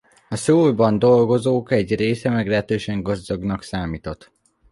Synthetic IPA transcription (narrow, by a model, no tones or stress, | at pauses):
ɒsoːrbɒnd̪o̞lɡo̞zoːkɛɟreːsɛmɛɡlɛɦɛt̪øːʃɛŋɡɒzd̪o̞ɡnɒksaːmiːt̪o̞t̪